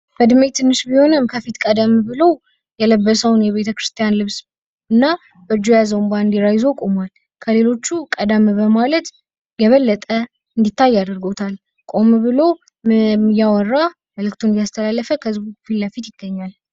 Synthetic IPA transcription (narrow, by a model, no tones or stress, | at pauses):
b̥əd̪ɨmet̪ʰɨnːɨʃbiho̞nɨmkʰəfit̪kʼəd̪əmbɨlo̞ | jɛləbːəsəwnjɛβe̞t̪ʰəkɾɨst̪ʰijanlɨβs | ɨnːa | b̥əd͡ʒojazəwmband̪iɾajzo̞kʼo̞mwal | kʰəle̞lo̞t͡ʃːukʼəd̪əmbəmalət̪ | jɛβəlːət̪ʼə | ɨnd̪it̪ʰːajːad̪əɾɡot̪ʰal | kʼo̞mbɨlo | mɨjawɔrːa | məlɨkt̪ʰond̪jast̪ʰəlalːəfəkʰəzbukfilːəfit̪jɪɡːəɲːal